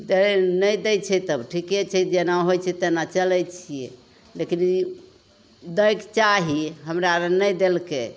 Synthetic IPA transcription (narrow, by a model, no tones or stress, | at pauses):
d̪enəjd̪ɛjt͡ʃʰɛt̪əbʈʰiket͡ʃʰɛd͡ʒenaɦojt͡ʃʰɛt̪enat͡ʃəlɛjt͡ʃʰijḛ | lekin | d̪əjkt͡ʃaɦiɦəmɾaɾnəjd̪elke